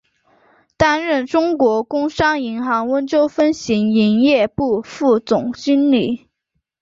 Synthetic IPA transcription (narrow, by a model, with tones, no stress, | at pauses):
t̪a˥nɻə˥˩nʈ͡ʂʊ˥ŋkwɔ˧˥kʊ˥ŋʂɑ˥ŋi˧˥ŋxɑ˧˥ŋwə˥nt͡ɕjo˥ʊfə˥nɕi˧˥ŋi˧˥njɛ˥˧pu˥˧fu˥˩t͡sʊ˨˩ŋt͡ɕy˥nli˨˩˦